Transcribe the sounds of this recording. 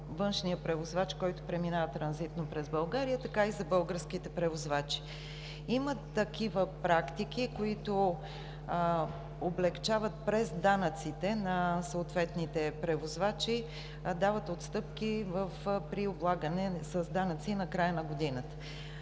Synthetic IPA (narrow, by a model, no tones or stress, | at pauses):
vɤnʃnijəpɾɛvozvat͡ʃkɔjt̪ʊ̥pɾɛminavət̪ɾɐnzit̪nopɾɛzbɐlˠɡaɾijət̪ɐkaizɐbɤlˠɡəɾskit̪ɛpɾɛvozvat͡ʃi̥ | imət̪ɐkivəpɾakt̪ik̟ikoit̪o | oblɛkt͡ʃavət̪̚pɾɛzd̪anət̪sit̪ɛnɐsəːt̪vɛt̪nit̪ɛpɾɛvozvat͡ʃi | d̪avət̪ot̪st̪ɤp̚kivəfpɾioblˠaɡənɛsəzd̪anət̪sinɐkɾajənɐɡod̪inət̪ə̥